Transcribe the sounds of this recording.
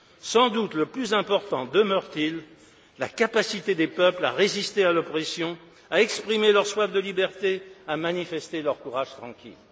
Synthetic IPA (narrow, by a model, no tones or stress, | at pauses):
sɑ̃d̪ut̪ləplyzɛ̃pɔʁt̪ɑ̃d̪əmœʁt̪il | la̰kapasit̪ed̪epœpla̰ʁezist̪ealɔpoʁeisjɔ̃ | aɛkspχimelœʁswafd̪əlibɛʁt̪eamanifɛst̪elœʁkuʁaʒ̥t̪χɑ̃kʲḭl